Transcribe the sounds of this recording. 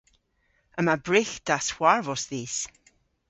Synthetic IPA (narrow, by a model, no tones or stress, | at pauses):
əmabɹɪxd̪̥aswaɹvɔsðiːs